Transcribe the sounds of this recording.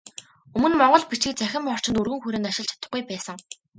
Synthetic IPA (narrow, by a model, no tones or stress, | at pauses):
ɵmɵ̆nmɔɴɢɞ̆ɮpit͡ɕɘ̆k̚t͡sæxʲɪ̆mɔr̥t͡ɕɪ̆nt̪urɣɘ̆ŋxuɾĕːnaʃɪ̆ɮt͡ɕʰḁt̪ə̆χɡujpæːsə̆ŋ